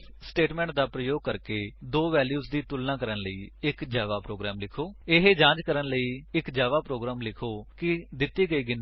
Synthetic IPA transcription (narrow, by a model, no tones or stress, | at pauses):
sʈeːʈmɛ̃ːɳʈ̚d̪aːpɾəjoːɡ̚kəɾkeːd̪oːʋɛːljuːzd̪iːt̪ʊlnãːkəɾənləḭːɪkd͡ʒaːʋaːpɾoːɡɾɛːmlɪkʰoːɪɦd͡ʒãːd͡ʒkəɾənləiːɪkd͡ʒaːʋaːpɾoːɡɾaːmlɪkʰoːkɪd̪ɪt̪ːiːɡəiːɡɪn